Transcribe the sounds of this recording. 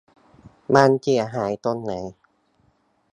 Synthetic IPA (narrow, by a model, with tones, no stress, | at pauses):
maː˧nki˧˩ɐɦaː˩˦jt̪o˧nːa˩˦j